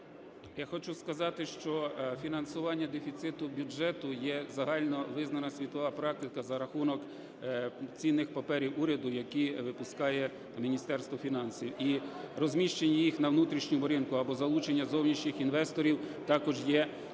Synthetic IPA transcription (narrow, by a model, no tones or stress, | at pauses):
jaxɔt͡ʃuskɐzɑt̪ɪʃt͡ʃɔfʲinɐnsʊʋɑnʲːɐd̪efʲit̪sɪt̪ʊbʲʊd͡ʒɛt̪ʊjɛzɐɦɑlʲnɔʋɪznɐnɐsʲʋʲit̪ɔʋɑpɾɑk̚t̪ɪkɐzɐɾɐxunɔk | t͡sʲinːɪxpɐpɛɾʲiwuɾʲɐd̪ʊjɐkiʋɪpʊskɑjɛ | mʲinʲist̪ɛrst̪ʋɔfʲinɑnsʲiwirɔzʲmʲiʃt͡ʃenʲːɐjixnɐwnut̪ɾʲiʃnʲʊbɔɾʲɪnkʊɐbɔzɐlˠut͡ʃenʲːɐzɔwnʲiʃnʲɪxinʋɛst̪ɔɾʲiwt̪ɑkɔʒjɛ